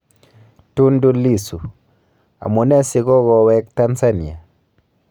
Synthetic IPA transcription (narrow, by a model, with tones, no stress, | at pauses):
tu˦ndu˦li˦˨su˨ | a̰˨mu˨nɛ˦si˨ɣɔ˦ɣɔ˨wɛ˦kta˦nsa˦ni˨a˨